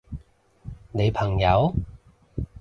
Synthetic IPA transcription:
ne˨˧jpʰɐ˨˩ŋjɐ˨˧˥w

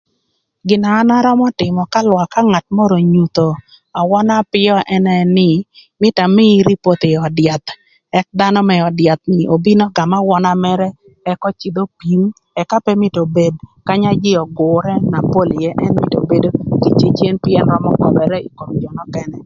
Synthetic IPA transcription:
ɡɪ˨naː˨˦na˦ɾɔ˦mɔ˦tɪ˨mɔ˨ka˦lwa˨ka˦ŋa˨t̚mɔ˦ɾo˨ɲu˨t̪o˨ | a˨wɔ˦na˦pɪ˦ɔ˦ʔɛ˦nɛ˨nɪ˦mɪ˦ta˨mɪ˦ɾi˦po˦t̪ɪ˨ɔ˨dɪja˨t̪ | ɛ˦k̚d̪a˦nɔ˦mɛ˨ɔ˨dɪja˨t̪̚nɪ˨ʔo˨bi˦nɔ˦ɡa˨ma˦wɔ˦na˦mɛ˦ɾɛ˦ | ɛ˦kɔ˦t͡ʃi˨d̪o˦pi˨˦m | ɛ˨ka˦pɛ˦mɪ˦to˨be˨dka˦ɲa˦d͡ʒɪ˦ɔ˨ɡʊ˨ɾɛ˦na˨po˦ljɛ˦ʔɛ˦nmɪ˨to̰˨be˦do˦ki˨t͡ʃe˦t͡ʃe˦npɪɛ˦nɾɔ˦mɔ̰˦kɔ˦bɛ˨ɾɛ˦i˨ko˨md͡ʒɔ˨nɔ˦kɛ˦nɛ˨

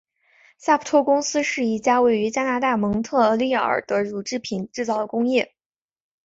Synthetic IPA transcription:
sa˥˩pʰu˨˩t̪ʰwɔ˥kʊ˥ŋsɹ̩˥ʂɻ̩˥˩i˥˩t͡ɕja˥we˥˩ɪy˧˥t͡ɕja˥na˧˥t̪a˥˩mɤ˧˥ŋt̪ʰɤ˥˩ə˧˥li˥˩˥ə̰˨˩t̪ə˧˥ɻu˨˩ʈ͡ʂɻ̩˥˩pʰi˨˩nʈ͡ʂɻ̩˥˧t͡sɑ˥˩ʊd̪ə˩kʊ˥ŋjɛ˥˩

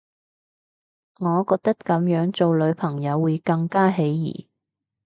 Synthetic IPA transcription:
ŋɔː˨˧kɔː˧k̚t̪ɐ˥kkɐ˨˥mjœː˨˥ŋt͡so˨wlɵ˨˧˥ɥpʰɐ˨˩ŋjɐ˨˧wːuː˨˧jkɐ˧ŋkaː˥ɦe˨˥jjḭː˨˩

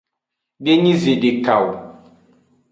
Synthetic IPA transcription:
be˦ɲĩ˦ze˨ɖe˨ka˨w

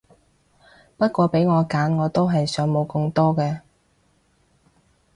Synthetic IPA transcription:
pɐ˥t̚kʷɔː˧pe˨˥jŋɔː˨˧kaː˨˥nŋɔː˨˧t̪o˥wɦɐ˨jsœː˨˥ŋmo˨˧wkɵ˧ŋt̪ɔː˥kɛː˧

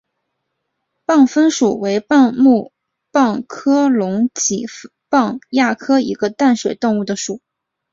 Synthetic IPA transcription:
pɑ˥˩ŋfə˥nʂṵ˨˩we˧˥ɪpmu˥˧ | pɑ˥˩ŋkʰɤ˥lʊ˧˥ŋt͡ɕi˨˩ | pɑ˥˧ŋja˥˩kʰɤ˥ḭ˧˥ɡə˧t̪a˥˩nʂwe˨˩ɪt̪ʊ˥˧ŋu˥˩d̪ə˩ʂu˨˩˦

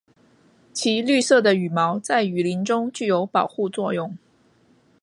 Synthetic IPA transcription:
t͡ɕʰi˧˥ly˥˧sɤ˥˩d̪ə˩y˨˩mɑ˧˥ʊt͡sa˥˩ɪy˨˩li˧˥nʈ͡ʂʊ˥ŋt͡ɕy˥˩jo˧˥ʊpɑ˨˩ʊxu˥˧t͡swɔ˥˧jʊ˥˩ŋ

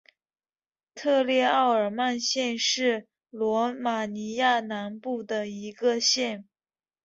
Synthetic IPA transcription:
t̪ʰɤ˥˧ljɛ˥˧ɑ˥˩ʊə˞˨˩ma˥˧nɕjɛ˥˧nʂɻ̩˥˩ | lwɔ˧˥ma˨˩ni˧˥ja˥˩na˧˥npu˥˩d̪ə˩i˧˥ɡə˧ɕjɛ˥˩n

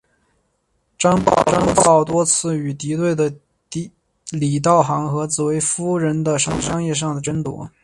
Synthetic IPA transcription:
ʈ͡ʂɑ˥ŋʈ͡ʂɑ˥ŋt͡sɑ˥˩ʊt̪wɔ˥t͡sʰɹ̩˥˩y˨˩t̪i˧˥t̪we˥˩ɪd̪ə˩ | t̪ | li˨˩t̪̬ɑ˥˩ʊxɑ˧˥ŋxɤ˧˥t͡sɹ̩˨˩we˧˥ɪfu˥ɻə˧˥nd̪ə˧ʂɑ˥ŋʂɑ˥ŋjɛ˥˧ʂ̬ɑ˥˩ŋd̪ə˩ʈ͡ʂə˥nt̪wɔ̰˧˥

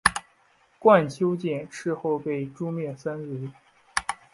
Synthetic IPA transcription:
kwa˥˩nt͡ɕʰjo˥ʊt͡ɕɛ˥˩nʂɻ̩˥˧xo˥˧ʊpe˥˩ɪʈ͡ʂu˥mjɛ˥˩nsa˥nɻ̩˧˥

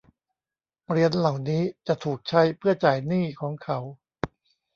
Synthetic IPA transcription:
ɾi˧ənla˨˩wniː˦˥t͡ɕa˨˩t̪ʰuː˨˩k̚t͡ɕʰa˦˥jpʰɯ˥˩ɐt͡ɕaː˨˩jniː˥˩kʰɔː˩˦ŋkʰa˩˦w

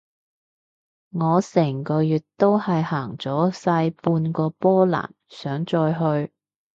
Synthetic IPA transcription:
ŋɔː˨˧sɛː˨˩ŋkɔː˧jyː˨t̚t̪o˥whɐ˨jhaː˨˩ŋt͡sɔː˨˥sɐː˧jpuː˧nkɔː˧pɔː˥la̰ː˨˩nsœː˨˥ŋt͡sɔː˧jɦɵ˧ɥ

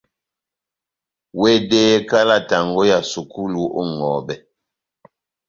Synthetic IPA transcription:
we˦deː˦ka˦la˦˨ta˨ŋɡɔ˦ja˨su˨ku˦lu˦ɔ˦ŋɔ˨bɛ˨

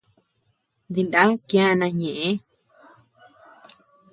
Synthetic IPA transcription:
d̪i˧nda˦kj̃ã˦˧nã˧ɲẽ˨ʔẽ˦

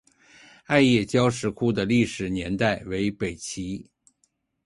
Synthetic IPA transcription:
a˥˧ɪjɛ˥˩t͡ɕjɑ˥ʊʂɻ̩˧˥kʰu˥d̪ə˨li˥˩ʂɻ̩˨˩njɛ˧˥nt̪a˥˩ɪwe˧˥ɪpe˨˩ɪt͡ɕʰi˧˥

